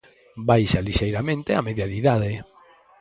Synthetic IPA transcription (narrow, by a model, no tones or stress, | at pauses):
bajʃaliʃejɾamẽnt̪eameðjaðiðað̞e